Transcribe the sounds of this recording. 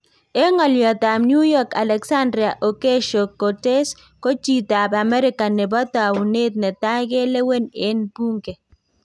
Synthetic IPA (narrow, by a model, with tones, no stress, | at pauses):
e˦ŋɔ˨ljɔ˨ta˨mnju˦jɔ˦ka˨lɛ˨ksa˦ndɾɪ˨a˨ʔɔ˨ke˦ʃo˨kːɔ˨te˦s | ko˦t͡ʃi˨ta˨ba˨mɛ˦ɾɪ˦ka˨nɛ˨bɔ˦ta˨wu˨ne˦t̪̚nɛ˨ta˦ɡe˦le˦we˦nɪ˦npu˦ŋke˨